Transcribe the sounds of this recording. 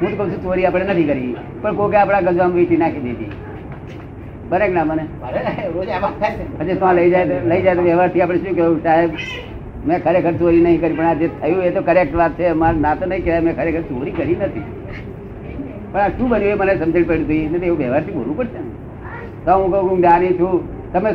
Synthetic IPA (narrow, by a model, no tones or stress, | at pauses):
ɦũt̪okəɦũt͡ʃʰũt͡ʃoɾiapəɽenət̪ʰikəɾi | pəɳkokeapɽ̃aɡəd͡ʒʋamʋiʈinakʰid̪et̪ḭ | bəneknãməne | od͡ʒaat̪ʰaet͡ʃʰeət͡ʃet̪oãləid͡ʒajt̪ləid͡ʒaet̪oʋɛʋaɾt̪ʰiapəɽeʃũkəũsaɦeb | mɛ̃kʰəɾekʰəɾt͡ʃoɾinəɦĩkəɾjĩpəɳad͡ʒet̪ʰəjũet̪okəɾek̚ʈʋat̪̚t͡ʃʰemanãt̪onəĩkeʋajmɛ̃kʰəɾekʰəɾt͡ʃoɾikəɾinət̪ʰḭ | pəɳaʃũːbənjũemənesə̃md͡ʒ̪iɽpeɽut̪uinet̪oeũʋeʋaɾt̪ʰibo̰lũpəɾʃen | t̪oaɦũkəukũnanit͡ʃʰũ | t̪əme